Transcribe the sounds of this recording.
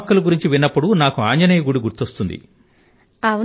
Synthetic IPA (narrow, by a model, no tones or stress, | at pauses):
kːɐluɡuɾiɲt͡ʃiʋinːɐpːuɽunaːkuaːɲd͡ʒɐnejɐɡuɽiɡuɾt̪ost̪und̪ḭ | ɐ